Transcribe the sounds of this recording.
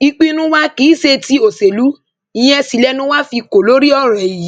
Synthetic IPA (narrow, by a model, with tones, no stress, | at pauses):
i˧k͡pi˦nũ˦wa˦ki˨˦ʃe˧ti˦o˨se˨lu˨˦ | ĩ˦˧j̃ɛ̃˦˧si˧˨lɛ˦nũ˦wa˦fi˧ko˨lo˦ɾi˦ɔ˦˨ɾ̃ɛ̃˨i˨ji˨˦